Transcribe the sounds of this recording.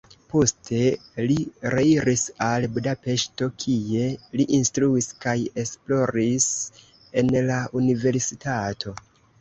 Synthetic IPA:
po̞ste̞liɾeiɾʔisalbudape̞ʃto̞kʰie̞liʔinstɾuiskaje̞splo̞ɾis | e̞nlaunive̞ɾsitʰatʰo̞

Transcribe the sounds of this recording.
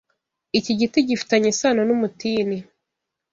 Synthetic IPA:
iciɟitiɟifi̥taɲesanonumutiːni

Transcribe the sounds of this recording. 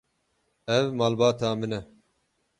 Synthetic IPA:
ɛvmɑːlbɑːt̪ʰɑːmɨnɛ

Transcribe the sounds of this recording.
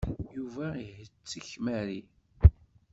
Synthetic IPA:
juvæiɦət͡sːiçmæɾi

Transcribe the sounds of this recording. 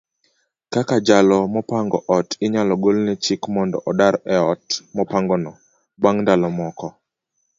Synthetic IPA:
kakad͡ʒalɔmɔpaŋɡɔʔɔtɪɲalɔɡolnɛt͡ʃikmɔndɔ̰ʔɔdaɾɛɔtmɔpaŋɡɔnɔ | baŋndalɔmɔkɔ

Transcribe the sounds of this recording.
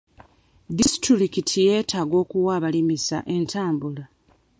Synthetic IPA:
disi̥tɾiɾikitʰije̞ːtʰaːɡo̞ːkuwaːβalimisa̰ʔe̞ntʰaːmbula

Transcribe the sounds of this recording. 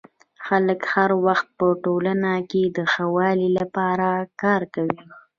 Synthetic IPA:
xaləkhaɾwaxt̪̚pəʈolanaked̪əxawɑlilapɑɾakɑɾkawi

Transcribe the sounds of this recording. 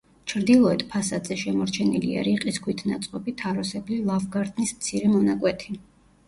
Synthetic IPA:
t͡ʃʰɾd̪ilˠɔɛt̪ʰpʰasad̪zɛʃɛmɔɾt͡ʃʰɛnilḭa̰ɾiqʼiskʰwit̪ʰnat̪sʼqʼɔbit̪ʰaɾɔsɛblilˠavɡaɾt̪ʰnismt̪sʰiɾɛmɔnakʼwɛt̪ʰi

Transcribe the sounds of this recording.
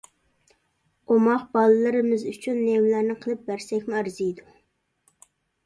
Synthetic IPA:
omɑqbɑlˠɨlˠɨɾɨmɪzyt͡ʃʰynːewlæɾnɪqʰəlˠɨp̚bæɾsɛkʲmʊæɾzɨjd̪u

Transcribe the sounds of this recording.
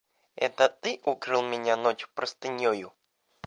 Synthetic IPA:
ɛ̰t̪ət̪ɨʔukɾɨlˠmʲɪnʲanot͡ɕpɾəst̪ɨnʲjojʊ

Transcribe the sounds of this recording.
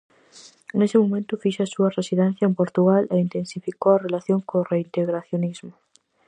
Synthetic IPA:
nesɪmomẽnt̪ʊfiʃasuɐresiðɛn̟θjɐempoɾt̪uɣaleint̪ensifikowɐrelaθjoŋkoreint̪eɣɾaθjonizmʊ

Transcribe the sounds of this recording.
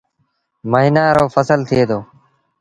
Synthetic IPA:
məɦɪnaːɾoːfəsəlt̪ʰɪeːd̪oː

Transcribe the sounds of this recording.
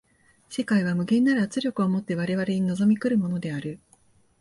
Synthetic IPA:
se̞kaiβ̞amɯ̟ɡẽ̞nːaɾɯat͡sɨɾʲjo̞kɯ̟o̞mo̞t̪ːe̞β̞aɾe̞βaɾe̞ɲ̟ino̞zo̞mʲikɯ̟ɾɯ̟mo̞no̞d̪e̞aɾɯ̟

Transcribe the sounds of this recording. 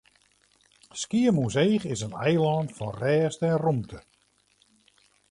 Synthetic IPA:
skiəmusejχɪsənɛjlɑːnfɔnrɛːstɛnrumtʰə

